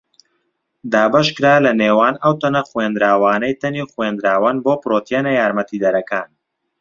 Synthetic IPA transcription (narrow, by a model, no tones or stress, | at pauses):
d̪aːbɐʃkɨɾaːlɐneːwaːnɐwt̪ɐnɐxwend̪ɾaːwaːnɐjt̪ɐniːχwend̪ɾaːwanboːpɾoːt̪ʰjeːnɐjaːɾmɐt̪iːd̪ɐɾɐkaːn